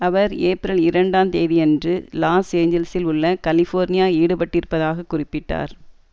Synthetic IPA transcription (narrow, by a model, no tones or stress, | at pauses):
ɐʋɐɾeːpɾɪlɪɾɐɳɖaːmt̪eːðɪɛndrɯlaːseːɲd͡ʒɛlɐsɪlʊɭːɐkɐlɪfoːɾnɪjaːiːɽɯpɐʈːɪɾɯpːɐðaːɣɐkːʊrɪpːɪʈːa̰ːɾ